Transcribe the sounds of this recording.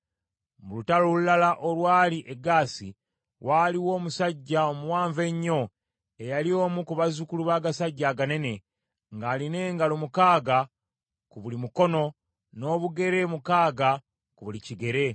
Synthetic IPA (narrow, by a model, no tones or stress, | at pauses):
mulutalolulalaʔo̞lwaːliʔeɡaːsḭ | waːliwo̞ːmusaɟːaomuwaːɱve̞ɲːo̞ | e̞jalio̞ːmukuβazukuluβaːɡasaɟːaːɡane̞ne̞ | ŋɡaːline̞ːŋɡalomukaːɡa | kuβulimuko̞no̞ | no̞ːβuɡe̞ɾe̞mukaːɡa | kuβuliciɡe̞ɾe̞